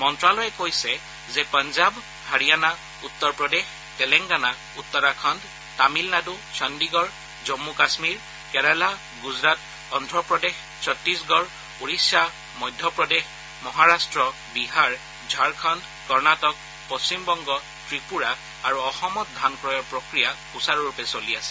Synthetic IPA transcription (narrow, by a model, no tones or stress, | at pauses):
mɔntɹalɔjɛkojsɛ | zɛpanzab | haɹijana | utːɔɹpɹɔdex | tɛlɛŋɡana | utːɔɹakʰɔnd | tamilnadu | sɔndiɡɔɹ | zɔmːukasmiɹ | kɛɹala | ɡuzɹat | ɔndʱɹɔpɹɔdex | sʰɔtɹisɡɔɹ | uɹisja | mɔjdʱːɔpɹɔdex | mɔɦaɹastɹɔ | biɦaɹ | d͡ʒʱaɹkʰɔnd | kɔɹnatɔk̚ | pɔst͡ɕimbɔŋɡɔ | tɹipuɹaː | ɹuɔxɔmɔt̚dʱankɹɔjɔɹpɹokɹija | usaɹɔɹupɛsoliasɛ̥